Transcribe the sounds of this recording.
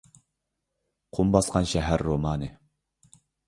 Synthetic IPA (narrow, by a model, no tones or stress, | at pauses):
qʰumbɑsqɑnʃɛɦæɾːomɑːnɨ